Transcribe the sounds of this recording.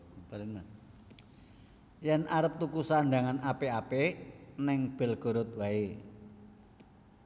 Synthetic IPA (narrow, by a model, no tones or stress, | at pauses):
paɾɪnmas | jɛnʔaɾəp̚t̪ukusaɳɖa̤ŋanapeapenɛŋb̥ɛ̤lɡ̥o̤ɾʊt̪̚wae